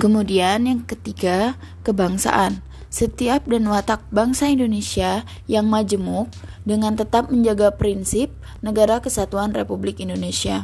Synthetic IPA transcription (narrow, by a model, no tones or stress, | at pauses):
kəmudianjaŋkət̪iɡa | kəbaŋsa̰ʔan | sət̪iap̚danwat̪ak̚baŋsaindonesia | jaŋmad͡ʒəmʊk̚ | dəŋant̪ət̪ap̚məɲd͡ʒaɡapɾinsɪp̚ | nəɡaɾakəsat̪uanrepublɪkindonesia